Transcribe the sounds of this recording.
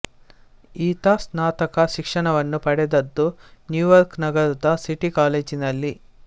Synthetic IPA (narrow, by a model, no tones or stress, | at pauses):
iːt̪asnaːt̪ɐkɐʃikʂɐɳɐʋɐnːupɐɽɛd̪ɐd̪ːunjuːjɐɾknɐɡɐɾud̪ɐsiʈikaːleːd͡ʒinɐlːi